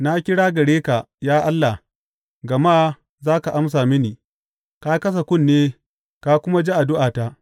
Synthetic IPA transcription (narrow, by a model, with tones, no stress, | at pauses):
na˦kʲɪ˦ɽaː˦ɡɐ˨ɽeː˦ka˨ | jaː˦ʔa˦lːa˨h | ɡɐ˨maː˦ | zaː˦ka˨ʔa˦msaː˨mɪ˦niː˨ | ka˦kɐ˦s̬a˨kʷʊ˦˨nːeː˦ | ka˦kʷʊ˦ma˦d͡ʒi˦ʔa˨dʊ˦ʔaː˨ta˦ʔ